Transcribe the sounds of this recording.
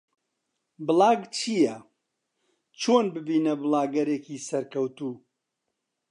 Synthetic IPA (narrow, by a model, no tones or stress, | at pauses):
bɨlˠɑːɡt͡ʃʰijɐ | t͡ʃʰoːnbɨbiːnɐbɨlaːɡɐɾeːkiːsɐɾkɐwt̪uː